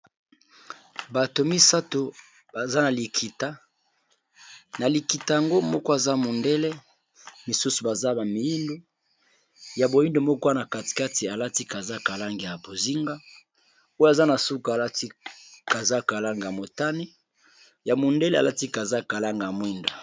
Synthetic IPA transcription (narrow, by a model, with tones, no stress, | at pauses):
ba˨to˨mi˦sa˦to˨ | ba˨za˦na˨li˨kʰi˨ta˦ | na˨li˨ki˨ta˨ja˨ŋɡo˦mɔ˦kɔ˦a˨za˦mo˨nde˦le˦ | mi˨su˦su˨ba˨za˦ba˨mi˨ji˦ndo˦ | ja˨bo˨ji˦ndo˨mɔ˦kɔ˦a˦na˨ka˨ti̥˨ka˦ti˨a˨la˦ti˦ka˨za˦ka˨la˦ŋɡi˨ja˨bo˨zi˦ŋɡa˦ | o˦ja˨za˦na˨su˦ka˨a˨la˦ti˦ka˨za˦ka˨la˦ŋɡa˨a˨mo˨ta˦ni˦ | ja˨mo˨nde˦le˦a˨la˦ti˦ka˨za˦ka˨la˦ŋɡa˨mwi˦nda˨